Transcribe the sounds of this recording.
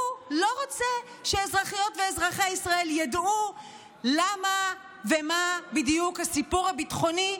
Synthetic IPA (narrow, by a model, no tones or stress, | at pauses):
lo̞ʁot͡se | ʃeːzʁaχijo̞tveːzʁaχeisʁae̞ljadu | lama | vemabidijukhasipuʁabitχo̞ni